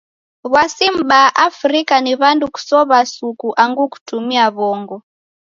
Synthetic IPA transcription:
βwasim̩ɓaʔafɾikaniβanduku̥sɔβasukuʔaŋɡuku̥tumiaβɔːŋɡɔ

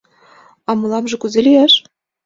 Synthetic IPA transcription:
ɑmɤ̆lˠɑmʐɤ̆kuzʲĕlʲijæʃ

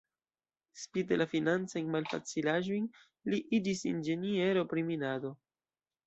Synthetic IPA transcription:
spitelafinant͡sajnmalfa̰t͡silaʒo̞jn | liʔid͡ʒisind͡ʒe̞nie̞ɾo̞pɾiminado̞

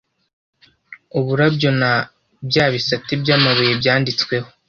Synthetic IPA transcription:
uβuɾabjo̞na | bjaːβisatibjaːmaβojebjaːndit͡skwe̞ho̞

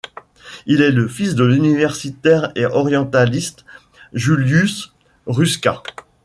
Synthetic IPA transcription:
ilɛləfisd̪əlynivɛʁsit̪ɛʁeʔɔʁjɑ̃t̪alist̪ | ʒyljys | ʁyskʲa

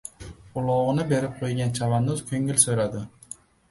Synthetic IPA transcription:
ʊlˠɒʁɨnɪbe̞ɾɪp̚qʰojɡʲant͡ʃʰavanʊzkʲʰɵŋɪlsɵjɾad̪ɪ

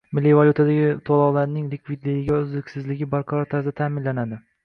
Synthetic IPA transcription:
mɪlːivalʲut̪ʰad̪aɡʲɪt̪ʰolˠɒwlaɾnɪŋlɪkʰʲvid̪lɪɡɪɡʲaʊzlɪkʲsɪzlɪɡʲɪbaɾqʰɑɾɒɾt̪ʰaɾzd̪at̪ʰaːmɪnlanad̪ɪ

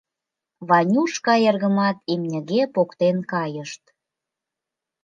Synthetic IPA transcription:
βɑnʲuʃkɑerɣə̆mɑt̪imnʲə̆ɣepokt̪enkɑjəʃt̪

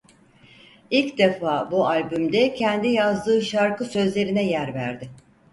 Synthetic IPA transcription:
ilʲcd̪e̞faːbualʲbymd̪ɛcʰɛnd̪ijazd̪ɯːʃaɾkɯsø̞zlʲe̞ɾinɛjæɾvæ̰ɾd̪ɪ

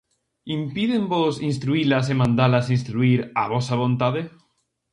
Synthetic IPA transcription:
impiðembosinst̪ɾuilas̬emãnd̪alasinst̪ɾuiɾaβosaβ̞õnt̪aðe

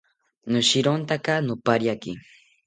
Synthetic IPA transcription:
nʊʃɪɾont̪akanʊpaɾjakɪ̰

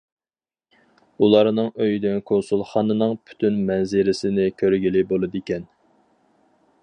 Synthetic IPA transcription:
ulˠɑɾnɨŋøjd̪ynkʰonsulˠχɑnɨnɨŋpʰy̥t̪ʰynmɛnzɪɾɪsɪnɪkʲʰøɾɡʲilɪbolˠɨd̪ikʲɛn

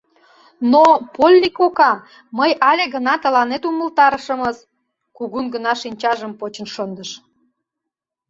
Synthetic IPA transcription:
nopolʲːikokɑ | məjɑlʲeɣənɑt̪ə̆lɑnet̪uməlt̪ɑɾəʃə̆məz | kuɣunɡə̆nɑʃinʲt͡ɕɑʒəmpot͡ɕə̆nʃond̪əʃ

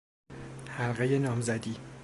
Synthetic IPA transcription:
hælɢejenɒːmzæd̪iː

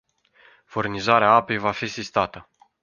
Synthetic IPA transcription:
furnizaɾeaape̞jvafisist̪at̪ə

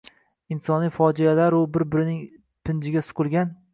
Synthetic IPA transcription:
ɪnsɒnijfɒd͡ʒialaɾʊbɪɾbɪɾɪnɪŋ | pʰɪnd͡ʒɪɡʲasʊ̥qʰɨlˠɡʲan

